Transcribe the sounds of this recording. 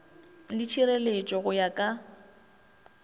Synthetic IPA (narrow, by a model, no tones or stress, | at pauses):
lɪt͡ʃʰiɾelet͡ʃʼɔɣʊjakʼa